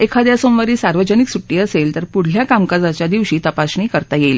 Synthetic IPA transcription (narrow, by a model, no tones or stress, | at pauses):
ekʰad̪jasõmʋəɾiːsaɾʋəd͡ʑəniksuʈːiːəselt̪əɾpuɽ̤ljakamkad͡zat͡ɕjad̪iʋɕiːt̪əpasɳiːkəɾt̪ajelː